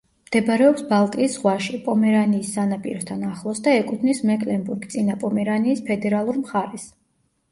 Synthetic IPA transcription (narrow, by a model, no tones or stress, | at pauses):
md̪̥ɛbɾɛɔpsbalˠt̪ʼiːsʁwaʃipʼɔmɛɾaniːsːanapʼḭɾɔst̪ʰanaχlˠɔsd̪aɛkʼut̪ʰnismɛkʼlɛnbuɾɡt̪sʼinapʼɔmɛɾaniːspʰɛd̪ɛɾalˠuɾmχaɾɛs